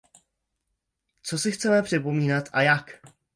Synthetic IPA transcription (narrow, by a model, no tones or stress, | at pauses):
t͡so̞sɪxt͡sɛmɛpr̝̥ɪpo̞miːnat̪ʔa̰jak